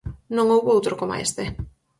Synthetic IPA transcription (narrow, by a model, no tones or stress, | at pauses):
nõŋowβowt̪ɾokoma̰ḛst̪e